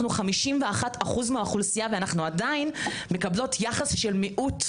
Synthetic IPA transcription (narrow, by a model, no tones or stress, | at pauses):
nuχamiʃimveaχataχuzmeaχulsijaveanaχnuadain | me̞kablo̞tʰjaχasʃelmiʔut